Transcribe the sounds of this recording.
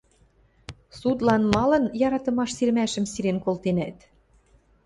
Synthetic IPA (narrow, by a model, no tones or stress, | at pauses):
sud̪lɑnmɑlɤ̆njɑɾɑt̪ɤ̆mɑʃsirmæʃə̆msiɾenkolt̪enæt̪